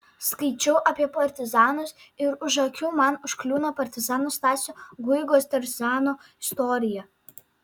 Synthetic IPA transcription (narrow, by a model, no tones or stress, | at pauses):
skɐɪt͡ʃʲɛʊʔɐpʲiɛpɐɾʲt̪ʲɪzɑːnʊs | ɪɾʊʒɐkʲuːmɑnʊʃklʲuːnɐpɐɾʲt̪ʲɪzɑːnʊst̪ɑːsʲʊɡʊɪɡoːst̪ʲɐɾʲzʲɑːnoːɪst̪ɔɾʲɪjɛ